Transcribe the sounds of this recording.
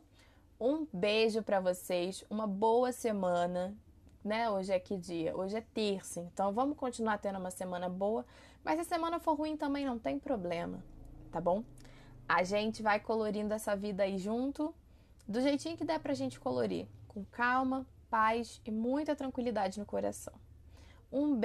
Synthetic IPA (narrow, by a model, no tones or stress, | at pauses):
ũbeʒʊpɾɐvosejsũmɐbowɐsemɐ̃nɐ | nɛoʒɪɛkɪd͡ʒiɐ̰ʔoʒɪɛt̪eɾsʊẽnt̪ɐ̃w̃vɐ̃mʊʃkõnt͡ʃinuaɾt̪ẽnd̪ũmɐsemɐ̃nɐbowɐ | mɐsɪɐsemɐ̃nɐfoɾɦuĩt̪ɐ̃mbẽj̃nɐ̃w̃t̪ẽj̃pɾoblẽmɐ̰t̪abõw̃ | aʒẽnt͡ʃɪvajkoloɾĩnd̪ʊɛsɐvid̪ɐaiʒũnt̪ʊ | d̪ʊʒejt͡ʃĩɲʊkɪd̪ɛpɾɐʒẽnt͡ʃɪ̥koloɾḭkõkawmɐ | pajsɪmũj̃t̪ɐt̪ɾɐ̃kwilid̪ad͡ʒɪnʊkoɾa̰sɐ̰̃w̃ | ũb